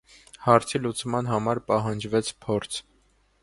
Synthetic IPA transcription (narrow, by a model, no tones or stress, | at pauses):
hɑɾt͡sʰilut͡smɑnɦɑmɑɾpɑɦɑnd͡ʒvɛt͡sʰpʰɔɾt͡sʰ